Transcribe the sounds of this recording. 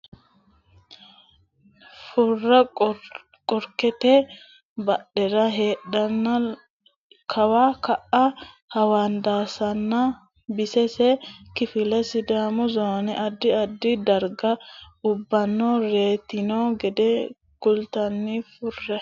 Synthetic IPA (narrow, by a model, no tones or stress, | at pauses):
fʊrːɐ | kʼɔɾkɛt̪ɛ | bɐɗɛɾɐɦeːɗɐnːɐ | kʰɐwaːkɐʔɐ | hɐwaːnd̪aːsɐnːɐ | bɪsɛsɛkɪfɪlɛsɪd̪aːmʊzoːnɛʔɐd̪ːɪɐd̪ːɪd̪ɐɾɡɐʊbːɐnːoːɾe̞ːt̪ɪnoːɡɛd̪ɛ | kʊlt̪ɐnːɪfʊrːɛ